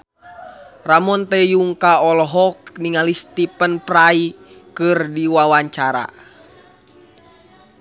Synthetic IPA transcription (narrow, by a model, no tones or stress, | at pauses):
ramɔnt̪ɛjuŋkaɔlɔɦɔk̚niŋalist̪ipənprai | kɨrdiwawaɲt͡ʃaɾa̰